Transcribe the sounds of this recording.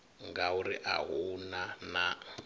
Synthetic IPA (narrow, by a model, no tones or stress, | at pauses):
ŋɡauɾiʔa̰ɦunana